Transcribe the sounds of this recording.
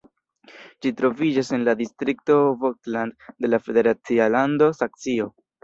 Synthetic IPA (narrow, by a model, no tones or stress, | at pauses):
d͡ʒitɾo̞vid͡ʒase̞nladistɾikto̞vokslandde̞lafe̞de̞ɾat͡sialando̞sak̚t͡sio̞